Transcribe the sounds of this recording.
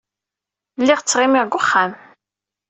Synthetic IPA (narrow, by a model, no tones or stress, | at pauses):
lːiʁt͡sːʁɪmiʁɡʷʊχːam